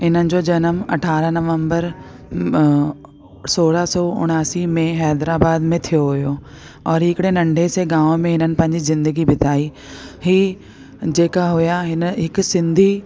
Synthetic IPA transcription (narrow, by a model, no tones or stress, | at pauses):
ɦɪn̤ənɪ̆d͡ʑoːd͡ʑɐnəmɐ̰ʈʰaːɾənɐʋə̃mbəɾ | soːɽəsɔːʊ̰ɽ̃aːsimẽɦɛːd̪ɾaːbaːd̪mẽt̪ʰijoɦʊjo | ɔːɾɦɪkɪɽenɐ̃ɳɖʱeseɡãːʋmẽɦɪnənɪ̆pɐ̃ɦɪ̃ɲd͡ʑizɪ̃nd̪əɡibɪt̪ʰaːi | ɦiː | d͡ʑeːkaɦujaɦɪnəɦɪk̆sɪ̃nd̪ʱi